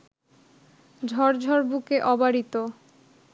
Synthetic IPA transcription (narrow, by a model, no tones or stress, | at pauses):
d͡ʑʱɔɾd͡ʑʱɔɾbukeʔɔbaɾit̪o